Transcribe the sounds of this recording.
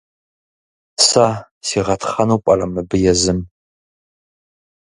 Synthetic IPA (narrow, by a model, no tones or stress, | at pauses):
sa | siːʁɐtʰχɐnupʼɐrɐmɨbɨjɛzɨm